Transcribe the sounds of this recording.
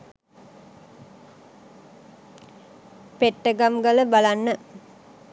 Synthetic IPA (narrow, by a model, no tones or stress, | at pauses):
peʈːəɡamɡaləbalanːə